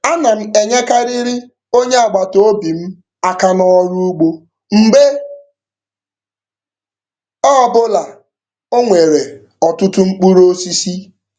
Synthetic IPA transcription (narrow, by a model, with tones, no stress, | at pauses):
a˦na˨m̩˦e˨ɲe˦ka˦ɾi˦ɾi˦ | o˦ɲe˦a˨ɡ͡ba˨to˨o˦bi˨m̩˦ | a˦ka˦nɔ˦ɔ˦ɾu˦u˦ɡ͡bo˦ | m̩˨be˦ | ɔ˦˨bʊ˦la˨ | o˦ŋʷe˨ɾe˨ | ɔ˨tʊ˦tʊ˦ŋ͡m̩˦k͡pu˦ɾo˦si˦si˦